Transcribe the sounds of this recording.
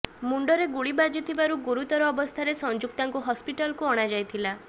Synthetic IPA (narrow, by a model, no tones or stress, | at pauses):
muɳɖɔɾeɡuɭibad͡ʒit̪ʰibaɾuɡuɾut̪ɔɾɔːbɔst̪ʰaɾesɔnd͡ʒuk̚t̪aŋkuɦɔspiʈalɔkuɔɽ̃ad͡ʒajt̪ʰila